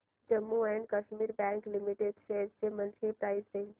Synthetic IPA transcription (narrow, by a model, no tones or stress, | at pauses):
d͡ʒəmːuɛɳɖkəʃmiɾbɛ̃ŋklimiʈeɖseɾsemənt͡ʃʰipɾaɪssen